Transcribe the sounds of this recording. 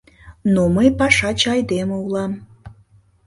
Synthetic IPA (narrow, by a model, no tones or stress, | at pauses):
noməjpɑʃɑt͡ɕɑjd̪emə̆ulɑm